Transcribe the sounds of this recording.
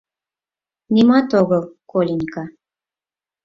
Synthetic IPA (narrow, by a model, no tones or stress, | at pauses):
nʲimɑt̪oɣɤlkolʲinʲkɑ